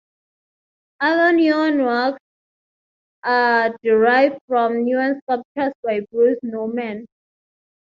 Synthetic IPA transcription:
alɔ̃njũnwaks | ʔadiɹaɪvfɹɔ̃mnjuãnskak̚t͡ʃəsbajbɹusnomɛ̃n

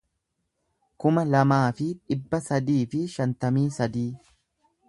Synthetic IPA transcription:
kʊmɐlɐmaːfɪᶑɪbːɐsɐd̪iːfɪʃɐnt̪ɐmiːsɐd̪iː

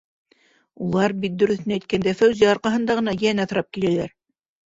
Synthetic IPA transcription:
ulˠɑɾbit̪̚d̪ɵ̆ɾɵ̆θɘ̆næjt̪̚kænd̪æfæwziɑɾqɑɦɤ̆nd̪ɑʁɤ̆nɑjænæθŏɾɑp̚kilælæɾ

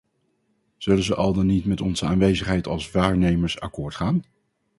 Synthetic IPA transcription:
z̥ɵlənzəʔɑlˠdɑnitmɛtɔnzəaːnʋejzəχɦɛjtɑlˠsʋaːɹnejməɹsa̰kʊːɹtχaːn

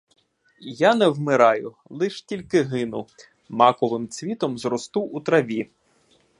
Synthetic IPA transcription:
janɛwmɪɾɑjʊ | lˠɪʃtʲilʲkɪɦɪnʊ̰ | mɑkɔʋɪmt͡sʲʋʲit̪ɔmzɾɔst̪uut̪ɾɐʋʲi

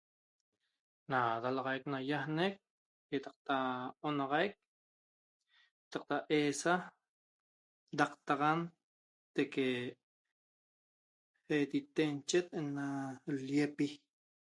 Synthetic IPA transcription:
nad̪alɑʁɑjk̚najahnek̚ | jet̪ɑq̚t̪aonɑʁɑjk̚ | et̪ɑq̚t̪aʔeːsa | d̪aqt̪ɑʁan | t̪eke | et̪it̪ent͡ʃet̪enːaljepi

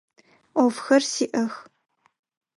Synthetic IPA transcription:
ʔʷɔfxɐrsiːʔɐx

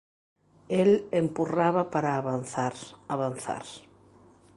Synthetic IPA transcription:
elempuraβapaɾaːβanθaɾaβan̟θa̰ɾ

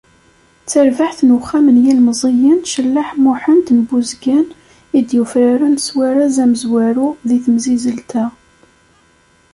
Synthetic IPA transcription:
t͡sːəɾvaħθnəχːamənjælməzˤijənʃəlːaħmʊħənt̪nbuzɡæn | id̪jufɾaɾanswaɾazæməzwæɾuðiθəmzizəlt̪a

